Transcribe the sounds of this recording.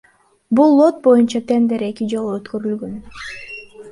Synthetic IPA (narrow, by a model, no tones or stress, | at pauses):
bulˠːo̞t̪̚bo̞junt͡ʃɑt̪e̞nd̪e̞ɾe̞kid͡ʒo̞lˠuøt̪køɾylɡøn